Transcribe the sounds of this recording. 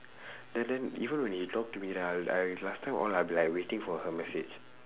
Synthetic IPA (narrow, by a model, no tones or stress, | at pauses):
dɛ̃ndɛ̃nivə̃nwɛ̃nhitɔk̚tumidɛaa̰lastʰãɪ̃mʔɔ̰labilaɪkwetĩŋfɔhəmɛsḛd͡ʒ